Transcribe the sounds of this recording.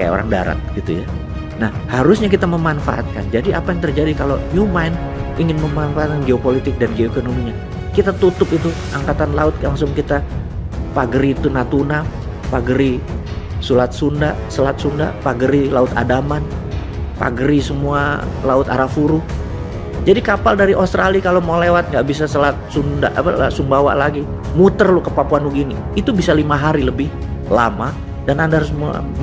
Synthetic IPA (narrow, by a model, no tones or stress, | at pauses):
ka̰ja̰o̰ɾaŋda̰ɾa̰t̪̚ɡit̪uja̰ | nahhaɾʊsɲakit̪aməmanfa̰ʔa̰t̪̚ka̰nd͡ʒadiapajaŋt̪ərd͡ʒadikaloɲumajn | iŋɪnməmanfaat̪̚kanɡeopolit̪ɪk̚danɡeoekonomiɲa | kit̪at̪ut̪ʊpit̪uʔaŋkat̪anlaʊt̪̚laŋsʊŋkit̪a | paɡəɾiːt̪unat̪una | paɡɾi | sulat̪̚sundasəlat̪̚sunda̰paɡəɾilaʊt̪a̰daman | pa̰ɡəɾisəmualaʊt̪a̰ɾafuɾu | d͡ʒadikapaldaɾiʔost̪ɾalikalomalewat̪̚ŋɡaʔbis̬asəlat̪̚sunda̰ʔa̰pala̰sumbawa̰ʔlaɡi | mut̪ərlʊkəpapuanuɡiniːt̪ubisalimaɦaɾiləbɪhla̰ma | danandahaɾʊsmua̰